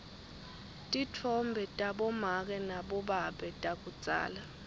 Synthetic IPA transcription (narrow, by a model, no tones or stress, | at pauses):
tʼitʰɔmbʱɛtʼaɓɔmak̬ʼɛnaɓɔɓaɓɛtʼak̬ʼut͡sʼa̰ːla